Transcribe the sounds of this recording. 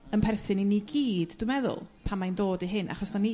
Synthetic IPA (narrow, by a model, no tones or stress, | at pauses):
ənpʰɛrθɨniniɡiːdd̥wɪmɛðʊ̰lˠpʰamajndoːdiɦɪnʔa̰χɔsd̥ani